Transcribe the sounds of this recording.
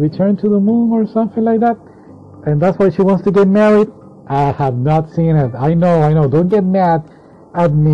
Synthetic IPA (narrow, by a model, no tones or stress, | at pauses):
ɹitʰɜ̃˞ntʰɨðəmũnə˞sʌ̃mθɪ̃ŋlaɪk̚ðæt̚ | ɨ̃nðætswaɪʃiwɑ̃ntstɨɡɛt̚mɛɹid | ʔaɪhɨvnətsĩnɪtaɪnoʊaɪnoʊdõʊ̃n̚ɡɛt̚mæd | ɨd̚mi